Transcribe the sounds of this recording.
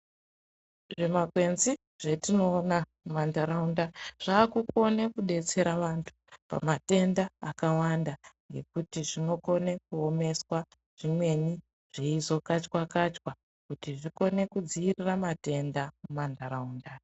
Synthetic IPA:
ʐemakwe̞nzi | ʐ̥etino̞ːnamumandaɾaundaʐ̥aːkuko̞nekuɗe̞t͡se̞ɾaʋantʰu̥pa̰mate̞ndaːkawandaŋɡe̞kutiʐino̞ko̞ne̞kuo̞me̞swa | ʐ̥imwe̞ni | ʐ̥eizo̞kat͡ʃkwakat͡ʃwa | kutiʐiko̞ne̞kud͡ziːriramate̞ndamumandaɾauːnda

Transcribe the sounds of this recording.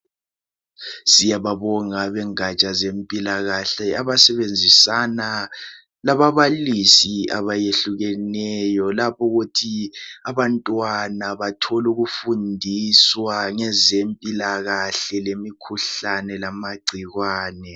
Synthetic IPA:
sijaβaβɔŋaβɛŋat͡ʃʼazempʼilaɣaɬɛaβasɛβend͡zʱisana | laβaβalisia̰βajeɬuɣɛnɛjɔlapʰɔɣutʰiaβantʼwanaβatʰɔluɣufundʱiswaŋɛzempʼilaɣaɬɛlemikʰuɬanɛlamaɡ͡ǀʱiɣwaːnɛ

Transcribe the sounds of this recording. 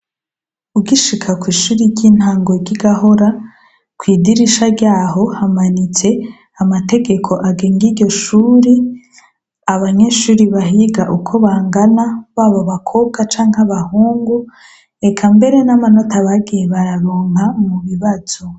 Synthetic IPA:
uɡiʃikʰakwiːʃuːɾiɾɟiːn̥haːŋɡoɟiɡaho̞ɾa | kwiːdiɾiʃaɾɟaːɦo̞hamanit͡se̞ | amate̞ɡe̞kʰo̞ʔaɡe̞ːŋɡiɾɟo̞ʃuːɾi | aβaɲe̞ʃuːɾiβaɦiɡaʔukʰo̞βaːŋɡanaβaːβoβakʰo̞ːb̚ɡat͡ʃaːŋ̥haβahuːŋɡu | ekʰambe̞ɾe̞namano̞taβaɡijeβaɾaɾoːŋhamuβiβaz̥o

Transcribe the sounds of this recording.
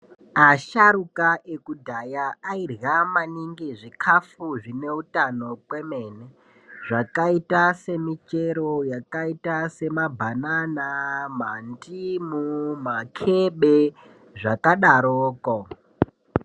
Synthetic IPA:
aʃaɾukaʔekudʱajaːirɣamaniŋɡiʐikʰafuʐine̞utano̞kwe̞mene | ʐakaitase̞mit͡ʃe̞ɾojakaitase̞mabʱananamandimumakʰeɓe | ʐakaɗaɾoːko

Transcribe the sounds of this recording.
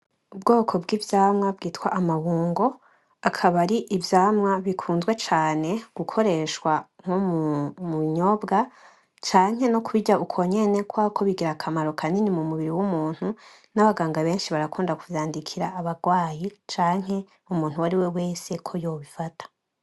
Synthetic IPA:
ubɡo̞ːkʰo̞bɡivjaːmŋab̚ɡiːtkwaʔamaβuːŋɡo̞ | akʰaβaɾiʔːvjaːmŋaβikʰuːnzɡwe̞t͡ʃaːne̞ɡ̥ukʰo̞ɾe̞ʃwaŋ̥ommuiɲo̞bɡa | t͡ʃaːɲ̥he̞nokuβiɟaʔukʰo̞ɲe̞ne̞kwaːkʰo̞βiɡiɾakʰamaɾo̞kʰaninimumuβiɾiwumuːn̥hu | naβaɡaːŋɡaβe̞ːnʃiβaɾakuːndakuvjaːndikʰiɾaːβaɡwaːjit͡ʃaːŋ̥he̞ | umuːnhuwaɾiwe̞we̞ːse̞kʰo̞jo̞ːβifatʰḁ

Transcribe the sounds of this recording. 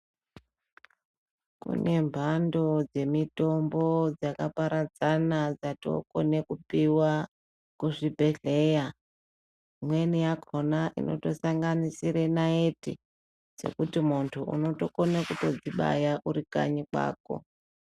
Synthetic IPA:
kṵne̞mbʱando̞d͡ze̞mito̞mbo̞d͡zakapaɾad͡zanad͡zato̞̰ko̞̰ne̞kupiwa | kuʐibʱe̞ɮe̞ja | mwe̞nijakʰonaʔḭno̞̰to̞saŋɡanisiɾe̞naetḭ | d͡ze̞̰kutimuntʰuʔṵno̞to̞konekuto̞d͡ziɓa̰jaʔuɾika̰ɲikwa̰ːko̞̰

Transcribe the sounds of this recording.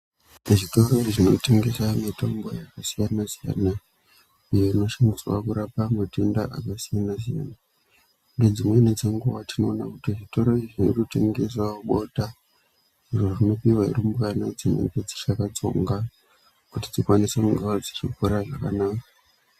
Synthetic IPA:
eʐito̞ro̞iʐino̞̰te̞ŋɡe̞samito̞mbo̞̰jakasijanasija̰ːna | ijoino̞ʃanɡiswa̰kuɾapamatendaʔakasijanas̬ija̰ːna | unded͡zimwened͡zeŋɡuʋatino̞ːnakutiʐito̞ɾo̞iʐinorute̞ŋɡes̬wauɓo̞ta | iʐorino̞piwaḭrimukanad͡zinḛŋɡe̞d͡zi̥ʃakat͡so̞̰ŋɡa | kutid͡zikwanisekuŋɡawad͡zit͡ʃikuɾaʐakanaːka

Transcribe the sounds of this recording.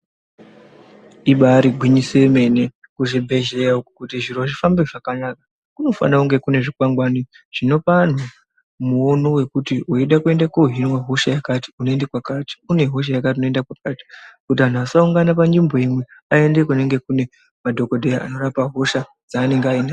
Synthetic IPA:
iɓaɾiɡʱwiɲiseme̞ne | kuʐibʱe̞ʒejaukukutiʐiɾoʐifambeʐakanaka | kuno̞fa̰nakuŋɡe̞kune̞ʐikwaŋɡwani | ʐ̥ino̞pan̤u | muono̞we̞kutiuiɗakue̞ndakouɦinwaɦo̞ʃajakati̥unoendekwakati̥une̞ɦo̞ʃ̬ajakatiunoendakwakati̥kutiɦan̤uasauŋɡanapand͡ʒimbo̞imwe̞ae̞ndekune̞ŋɡe̞kune̞ | madʱo̞ko̞dʱejaʔa̰no̞ɾapaɦo̞ʃa | d͡zaːne̞ŋɡeaina

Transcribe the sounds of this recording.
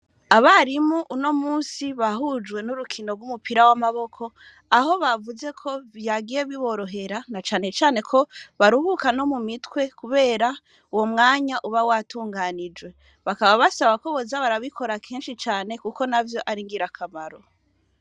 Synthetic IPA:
aβaɾimuʔuno̞muːsiβaɦud͡ʒwe̞nuɾukʰino̞ɾɡumupiɾawamaβo̞kʰo̞ | aɦo̞βavuze̞kʰo̞βjaɡije̞βiβo̞ɾo̞ɦe̞ɾanat͡ʃaːne̞t͡ʃaːne̞kʰo̞βaɾuhukano̞mumitwe̞kuβe̞ːɾa | uwo̞mŋaːɲaʔuβawatuːŋɡanid͡ʒwe̞ | βakaβaβasaβako̞βozaβaɾaβikʰo̞ɾakʰeːnʃit͡ʃaːne̞kuko̞navjo̞ʔaɾiŋɡiɾakʰamaɾo̞

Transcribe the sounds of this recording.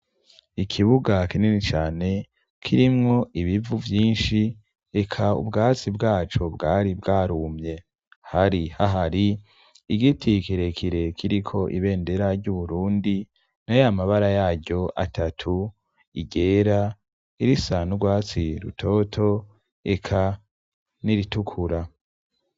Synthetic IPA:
ikʰiβuɡakininit͡ʃaːne̞ | kʰiɾimŋo̞ʔiβivuvjiːnʃi | ekʰaṵbɡaːt͡sibɡaːt͡ʃobɡaːɾibɡaːɾumɲe̞ | haɾihaɦaɾi | iɡitʰikiɾe̞kʰiɾe̞kʰiɾikʰo̞ʔḭβe̞ːnde̞ɾaɾɟuβuɾuːndi | najamaβaɾajaːɟo̞ʔa̰tʰatʰu | iɟe̞ːɾa | iɾisanuɡwaːt͡siɾṵtʰo̞ːtʰo̞ | ekʰa | niɾitukʰuɾa

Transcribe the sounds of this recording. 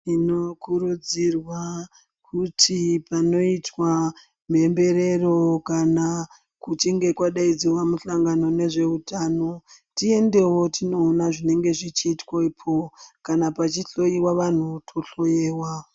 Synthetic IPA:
ino̞kuɾud͡zirwa | kʰutʰipano̞itwa | me̞mbe̞ɾe̞ro̞kana | kut͡ʃiŋɡe̞kwaɗaid͡ziwamuɬaŋɡano̞ne̞ʐe̞utaːno̞tie̞nde̞wo̞tʰinoːnaʐine̞ŋɡe̞ʐit͡ʃiːtwoipʰokanapat͡ʃiɬo̞jiwaʋan̤utʰo̞ɬo̞jeːwa

